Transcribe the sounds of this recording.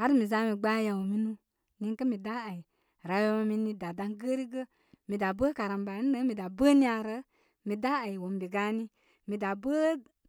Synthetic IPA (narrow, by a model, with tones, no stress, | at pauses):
ha˦ɾi˦mi˨za˧˦mi˧ɡ͡ba˦ja˨wo˨mi˧nũ˧ | ni˧˦ŋkə˦mi˨da˦a˨i˨ | ɾa˨˧˦jo˧˦ma˧mi˧˦ni˧da˨da˧ŋɡə˦ɾi˦ɡə˦ | mi˨da˨bə˦ka˨ɾa˨mba˨ni˦də˦mi˨da˨bə˦nĩ˦a˧ɾə˧˦ | mi˨da˦a˨i˨wo˨m˨bi˨ɡa˧˦ni˦ | mi˨da˨bə˦